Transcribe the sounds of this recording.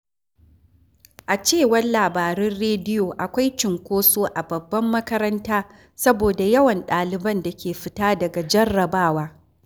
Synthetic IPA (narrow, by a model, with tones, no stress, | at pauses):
ʔa˨t͡ʃeː˦˨wɐ˦rlaː˨baː˨ɾɛ˦nɽeː˦dɪ˦joː˨ʔa˨kʷa˦jt͡ʃɪ˨ŋkʷoː˦soː˦ʔa˨bɐ˨bːɐ˦mːɐ˦kɐ˦ɾɐ˦ntaː˦ | sɐ˦boː˨da˨jɐ˦wɐ˨nɗaː˨lɪ˨bɐ˦nda˨kʲeː˨ɸɪ˦taː˦dɐ˨ɡa˨d͡ʒɐ˦rːɐ˨baː˦˨waː˦